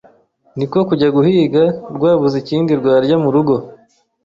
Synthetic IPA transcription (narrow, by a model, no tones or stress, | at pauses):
niko̞kuɟaɡuhiːɡaɾɡwaːβuziciːndiɾɡwaːɾɟamuɾuɡo̞